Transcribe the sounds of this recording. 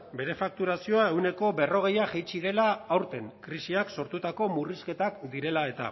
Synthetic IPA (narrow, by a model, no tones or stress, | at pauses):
be̞ɾe̞fak̚t̪uɾasio̞ae̞wne̞ko̞βe̞ro̞ɣ̞e̞jaʝejt͡ʃiðe̞laːwɾt̪e̞ŋkɾisiakso̞ɾt̪ut̪ako̞muriske̞t̪akd̪iɾe̞lae̞t̪a̰